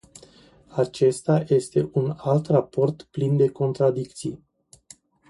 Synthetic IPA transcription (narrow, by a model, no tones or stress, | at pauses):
at͡ʃe̞st̪aje̞st̪e̞ʔunalt̪rapo̞rt̪plind̪e̞ko̞nt̪ɾad̪ikt̪si